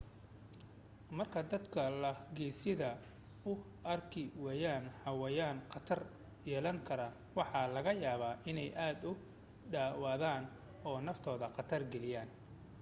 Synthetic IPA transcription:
mɐrkʰɐd̪ɐd̪kʰɐlɐɡɛjsɪðɐ | ʊ | ɐrkʰɪwɛjaːnhɑwɛjaːnqɑt̪ʰɐr | jɛːlɐŋkʰɐɾɐ | wɑħɑlɐɣɐjaːβaːʔɪnɛjʔaːd̪ʊ | ɖaːwɑːðaːn | ɔːnɐft̪ʰɔːðɐqɑt̪ʰɐrɡɛlɪjaːn

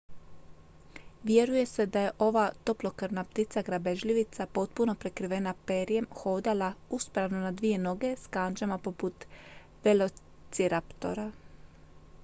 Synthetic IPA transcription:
ʋje̞ɾuje̞se̞d̪aje̞ʔo̞ʋaːt̪o̞plo̞kaɾnap̚t̪it̪saɡɾabe̞ʒʎʲiʋit̪sapo̞t̪̚puno̞pɾe̞kɾiʋe̞napeɾijemxo̞ːd̪alauspɾaʋno̞nad̪ʋije̞no̞ɡe̞skand͡ʒamapo̞put̪ | ʋelo̞ | t̪siɾapt̪o̞̰ɾa

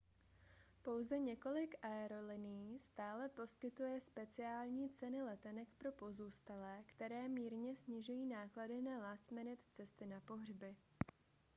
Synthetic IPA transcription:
po̞wzɛɲɛko̞lɪkʔaɛɾo̞lɪniːst̪aːlɛpo̞skɪt̪ujɛspɛt͡sɪaːlɲiːt͡sɛnɪlɛt̪ɛnɛkpɾo̞po̞zuːst̪alɛːkt̪ɛɾɛːmiːɾɲɛsɲɪʒujiːnaːkladɪnalast̪mɛnɛt̪t͡sɛst̪ɪnapo̞ɦr̝bɪ

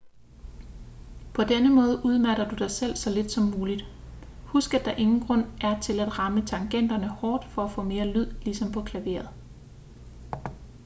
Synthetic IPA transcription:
pʰɒ̽d̥enəmɔ̽ːðˠʔuðˠmæɾɐd̥ud̥ɑ̈ɪsel̰sɒ̽le̝d̥sɒ̽mːuːlid̥ | husɡ̥æd̥ɑ̈ʔe̝ŋn̩ɡ̥ʁɔ̽n̰ʔæɐt͡sʰe̝læd̥ʁɑ̈mət͡sʰɑ̈ŋɡ̥en̰d̥ɐnəhɒːd̥fɒ̽æfɔ̰̽ːme̝ːɐlyð̞̰ˠlisɒ̽mpʰɒ̽kʰlæʋe̝̰ːɐð̩ˠ

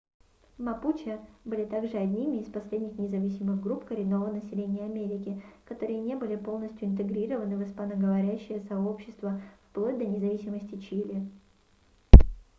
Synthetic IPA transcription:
mɐput͡ɕɪbɨlʲɪt̪aɡʐɨɐd̪ʲnʲimʲɪːspɐsʲlʲedʲnʲɪxnʲɪzɐvʲisʲɪmɨɣɡɾupkəɾʲɪno̞vənəsʲɪlʲenʲɪjəɐmʲeɾʲɪkʲɪkɐt̪o̞ɾɨjənʲe̞bɨlʲɪpo̞lˠnəsʲtʲjʊɪnt̪̬ɨɡɾʲiɾəvənɨvɨspanəɡəvɐɾʲæɕːɪjəsɐopɕːɪ̥st̪vəfplˠo̞tʲd̪ɐnʲɪzɐvʲisʲɪməsʲtʲɪt͡ɕilʲɪ

